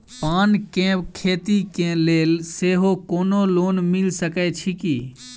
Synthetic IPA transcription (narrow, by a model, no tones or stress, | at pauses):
paːnkẽːbkʰeːt̪ikẽːleːlseːɦoːkoːnoːloːnmɪlsəkɛt͡ʃʰiki